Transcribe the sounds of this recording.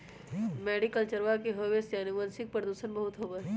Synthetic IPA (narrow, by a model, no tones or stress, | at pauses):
meːɖikəlt͡ʃəɾʋakeɦoʋesjaːniʋənsɪk̚pɾəd̪uːʃənbɐɦʊt̪ɦobə